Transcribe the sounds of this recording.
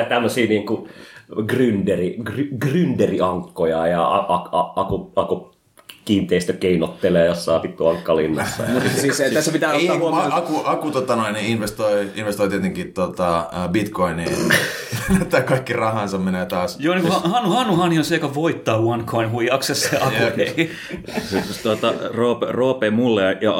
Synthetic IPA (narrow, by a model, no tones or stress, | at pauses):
t̪æmːøsiːniːŋkuɡrynderiɡryɡrynderiɑŋkːojɑjɑɑʔɑkɑɑkuɑku | kiːnt̪eist̪økeinot̪ːeleːjosːɑːpit̪ːuɑŋkːɑlḭnːɑ̰sːɑ̰siset̪æsːæpit̪æːɑkuɑkut̪ot̪ɑnoiniinʋest̪oiinʋest̪oit̪iet̪eŋkit̪ot̪ɑbit̪koinːi | net̪ːˑæːkɑikːirɑhɑnsɑmmeneːt̪ɑːsjoːniːŋkhɑhɑnːuhɑnːuhɑːnionseikɑʋoit̪ːɑːwɑnkʰoinhujɑksesseɑj | set̪uot̪ɑroːperoːpeːmulːejɑ